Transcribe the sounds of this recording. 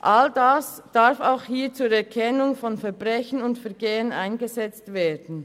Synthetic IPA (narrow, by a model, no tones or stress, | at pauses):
ʔaldasd̥aɾfaʊxhiːɐt͡suːɐɛkʰɛnʊŋfɔnfɛɐbʁɛçənʊntfɛɐɡeːənʔa̰ɪnɡəzɛt͡stv̥eːɐdn̩